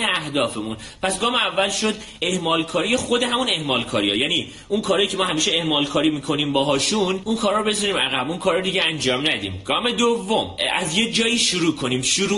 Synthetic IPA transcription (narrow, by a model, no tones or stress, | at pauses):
eæhd̪ɒːfe̞mun | pʰæsɡɒːmeævːælʃo̞d̪ | e̞hmɒːlkʰɒːɾijexo̞d̪e̞ɦæmune̞hmɒːlkʰɒːɾijɒ̰jæni | unkʰɒːɾɒːjiːcʰemɒːhæmiːʃeehmɒːlkʰɒːɾiːmiːkʰo̞niːmbɒːɦɒːʃunʔunkʰɒːɾːɾobe̞zɒɾiːmæɣæbunkʰɒːɾɔd̪iɟeænd͡ʒɒːmnæd̪ḭːmɡɒːme̞d̪ovːomæ̰zje̞d͡ʒɒːjiːʃuɾuːkʰo̞niːmʃuɾu